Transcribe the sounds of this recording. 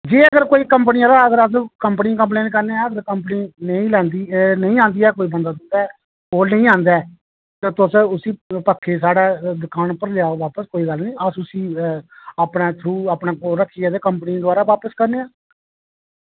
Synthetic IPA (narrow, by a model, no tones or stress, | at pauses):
d͡ʒeːəɡəɾkoːiːkəmp̬niːaːlaːəɡəɾəskəmpənikə̃mp̬leːnkəɾneːãːəɡəɾkəmpəniːnəĩːlɛ̃ːnd̪iːnəĩːãːnd̪iːɛːkoːiːbənd̪aːsə̃nd̪aː | oːlnə̃ĩːãːnd̪aː | t̪ãːt̪ʊsʊsĩːpəkʰːeːs̬aːɽaːd̪ʊkaːnpəɾlaːoʋaːpəskoːiːɡəlnĩːəsʊsiː | aːpnaːt̪ʰɾuːaːpnãːkoɾəkʰːiːɛːd̪eːkəmpənĩd̪ʊaːɾaːʋaːpəskəɾneːãː